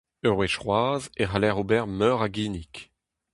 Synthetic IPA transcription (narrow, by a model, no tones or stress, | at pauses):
øʁweʃχwaːzeʁalɛʁobɛʁmœːʁaɡiːnik